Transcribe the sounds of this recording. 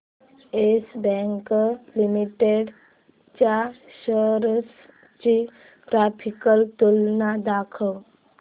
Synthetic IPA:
esbɛ̃ŋklimiʈeɖ | t͡ɕaɕəɾəs | t͡ɕi | ʈɾapʰikəlt̪ulnad̪akʰəw

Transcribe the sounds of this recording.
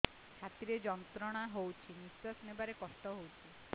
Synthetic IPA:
kʰat̪iɾed͡ʒɔnt̪ɾɔɽ̃aɦowt͡ʃʰinisɔsnebaɾekɔsʈɔɦowt͡ʃʰi

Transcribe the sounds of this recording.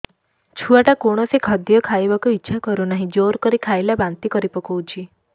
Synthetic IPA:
t͡ʃʰuaʈakoɽ̃ɔsikʰɔd̪jɔkʰajbakuitːʃʰakɔɾunaɦĩd͡ʒoɾkɔɾikʰajlabant̪ikɔɾipɔkʰout͡ʃʰi

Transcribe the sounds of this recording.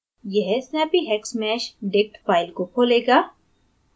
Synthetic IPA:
jɛɦsnɛːpiɦɛːksmɛːʃɖek̚ʈfaːɪlkokʰoːleːɡaː

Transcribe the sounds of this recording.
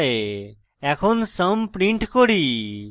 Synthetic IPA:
e | ɛkʰonsəmpɾiɳʈkoɽi

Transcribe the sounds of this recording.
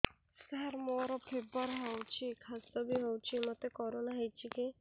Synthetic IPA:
skaaɾmoɾɔpʰebɔɾɦawt͡ʃʰikʰasd̪ɔbiɦowt͡ʃʰimɔt̪ekɔɾonaɦejt͡ʃʰiki

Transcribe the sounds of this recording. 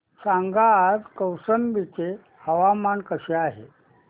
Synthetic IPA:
saŋɡaːd͡zkəwsənbit͡se | həʋamankəɕeaɦḛ

